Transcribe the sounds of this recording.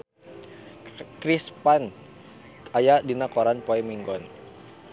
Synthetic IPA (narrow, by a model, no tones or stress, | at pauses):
kɾispan | ajadinakɔɾanpɔɛmiŋɡɔn